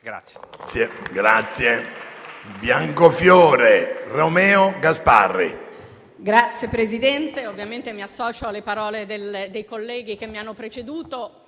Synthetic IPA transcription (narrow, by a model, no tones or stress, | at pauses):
ɡɾat̪sːje | bjaŋkofjɔːɾeromɛːoɡaspa̰rːḭ | ɡɾat̪sːjepɾezid̪ɛnt̪eovːjament̪emiasːɔːt͡ʃoalepaɾɔːled̪eld̪ejkolːɛːɡ̟ik̟emːianːopɾet͡ʃed̪uːt̪o